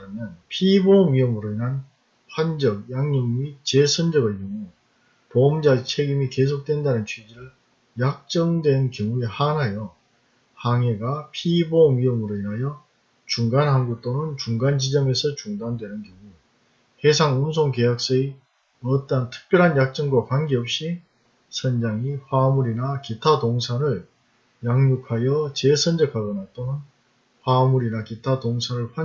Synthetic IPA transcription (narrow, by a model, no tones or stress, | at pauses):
ɾamjʌnpʰiboɥiʌmɯɾoinɦan | ɸwand͡ʑʌk̚jaŋɲʌŋit͡ɕe̞sʰʌnd͡ʑʌɡejʌŋu | pomd͡ʑat͡ɕʰe̞ɡimike̞sʰok̚t͈we̞ndanɯnt͡ɕʰɥid͡ʑiɾɯɭ | jak̚t͡ɕ͈ʌŋdwe̞nkjʌŋuehanɦajʌ | haŋe̞ɡapʰiboɥiʌmɯɾoinɦajʌ | t͡ɕuŋɡanɦanɡut͈onɯnt͡ɕuŋɡand͡ʑid͡ʑʌme̞sʰʌt͡ɕuŋdandwe̞nɯnɡjʌŋu | hesʰaŋumsʰoŋkejak̚s͈ʌi | ʌt͈antʰɯ̥k̚p͈jʌɾɦanjak̚t͡ɕ͈ʌŋɡwakwanɡeʌp̚ɕ͈i | sʰʌnd͡ʑaŋiɸwamuɾinakitʰatoŋsʰaɾɯɭ | jaŋɲukʰajʌt͡ɕe̞sʰʌnd͡ʑʌkʰaɡonat͈onɯn | ɸwamuɾinakitʰatoŋsʰaɾɯɭɸwa